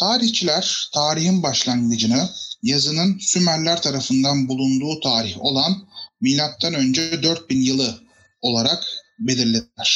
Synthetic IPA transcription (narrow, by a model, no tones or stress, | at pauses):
t̪ʰaːɾiçt͡ʃʰilʲæɾ̥t̪ʰaːɾihinbaʃlˠaŋɡɯd͡ʒɯnɯjazɯnɯnsymæɾlʲːæɾt̪ʰaɾafɯnd̪anbulˠund̪uːt̪ʰaːɾiço̞lˠanmiːlʲap̪̚t̪ʰːanønd͡ʒɛd̪øɾt̪̚binjɯlˠɯ | o̞lˠaɾakbe̞lʲiɾlʲed̪ilæɾ̥